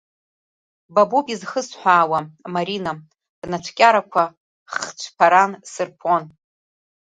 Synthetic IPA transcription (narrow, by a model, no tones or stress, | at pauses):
babupʼizχəsħʷᶣaːwamaɾina | d̥nat͡ʃʷʰkʲʼaɾakʷʰa | χt͡ʃʷʰpʰaɾansɨrpʰon